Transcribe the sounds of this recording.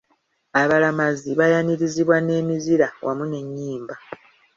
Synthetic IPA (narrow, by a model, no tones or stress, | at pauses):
aβalamaziβajaniɾiziβwane̞ːmiziɾawʔamune̞ɲːiːmba